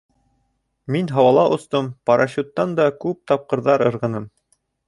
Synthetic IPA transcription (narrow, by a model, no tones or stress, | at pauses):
minɦɑwɑlˠɑʔŏst̪ɤmpɑɾʔɑɕut̪ːɑnd̪ɑkʉp̚t̪ɑp̚qɤ̆ɾðɑɾɤ̆ɾʁɤ̆nɤm